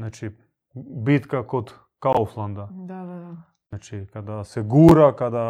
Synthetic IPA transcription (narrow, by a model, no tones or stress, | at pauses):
nat͡ʃi | bit̪kakot̪ | kaoflˠand̪a | nat͡ʃikad̪asɛɡuɾakad̪a